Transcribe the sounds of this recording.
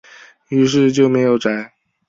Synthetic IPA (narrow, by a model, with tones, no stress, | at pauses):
y˧˥ʂ̬ɻ̩˥˧t͡ɕjo˥˩ʊme˧˥ɪjo˨˩ʊʈ͡ʂa˨˧˥ɪ